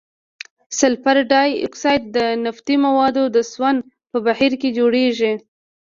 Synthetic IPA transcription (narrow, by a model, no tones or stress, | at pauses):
sɪlfaɾɖɑjṵksɑjd̪̚d̪ənaft̪imawɑd̪od̪əswand̪ | pəbahiɾked͡ʒoɽeʒi